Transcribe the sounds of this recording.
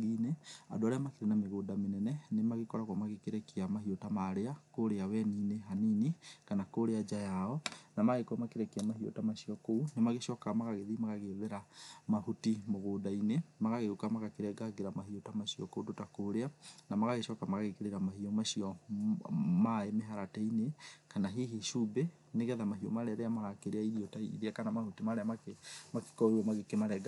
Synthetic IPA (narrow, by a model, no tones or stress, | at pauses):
inea̰doaɾeamakeɾenameɣoːdamenɛnɛnemaɣekɔɾaɣwɔmaɣekeɾɛkiamahiotamaɾeakoɾeawɛnineɦaninikanakoɾead͡ʒajaɔnamaɣekwɔmakeɾɛkeamahio̰tamaʃiɔkounemaɣeʃɔkamaɣaɣeðimaɣaɣeðeɾamahutimoɣoːdainemaɣaɣeukamaɣakeɾɛɡaɡeɾamaɦiotamaɕiɔkoudotakoːɾeanamaɣaɣeʃɔkamaɣaɣekeɾeɾamahiɔmaɕiɔ | maemeɦaɾatɛinekanaɦihiʃube | neɣɛðamaɦiɔ̰maɾɛaɾeamaɣakeɾeaiɾiotaḭðeakanamahutimaɾeamakemake̥kɔeɾwamaɣekemaɾɛɡa